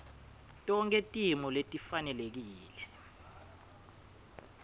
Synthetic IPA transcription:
tʼɔŋkʼetʼimɔletʼifanɛlek̬iːlɛ

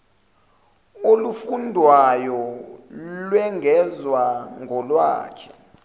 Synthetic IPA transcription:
olufundʱwajɔ | lwɛŋɡʱɛzwaŋɡʱɔlwa̰ːkʰɛ

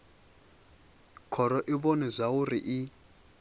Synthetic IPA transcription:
kʰɔɾɔʔiβɔnizʷaurḭʔi

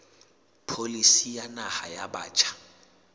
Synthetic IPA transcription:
pʰolisijanahajaɓaːt͡ʃʰʼḁ

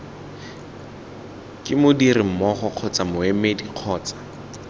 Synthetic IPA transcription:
kʼɪmʊdirɪm̩mɔχɔq͡χʰɔt͡samʊemediq͡χʰɔːt͡sḁ

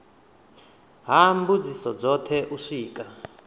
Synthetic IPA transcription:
ɦambud͡zisɔd͡zɔtʰɛʔuʂiːkʼa

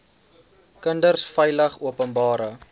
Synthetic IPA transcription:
kəndərsfəjləχuəpənbɑːɾə

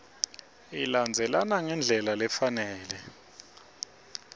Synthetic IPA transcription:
iland͡zʱɛlanaŋɛnd͡ɮʱɛlalɛfanɛːlɛ

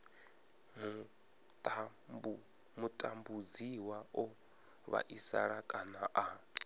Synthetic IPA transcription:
mu | tʼ | mutʼambud͡ziwaɔ | βa̰ʔisa̰ɺakʼanaʔa

